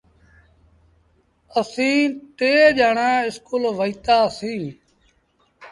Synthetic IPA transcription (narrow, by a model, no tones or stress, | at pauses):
əsĩːt̪eːd͡ʒaːɳãːɪskuːlʋəiːt̪aːsĩː